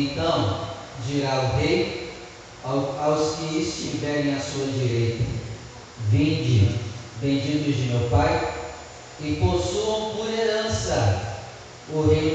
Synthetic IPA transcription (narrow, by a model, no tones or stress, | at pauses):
nt̪ɐ̃w̃ | d͡ʒiɾaʊɦej | awskɪːst͡ʃivɛɾẽj̃ɐsuɐd͡ʒiɾejt̪ɐ | vẽd͡ʒivẽd͡ʒit̪ʊzd͡ʒɪmewpaj | ɪposuɐ̃w̃poɾeɾɐ̃sɐ | ʊɦe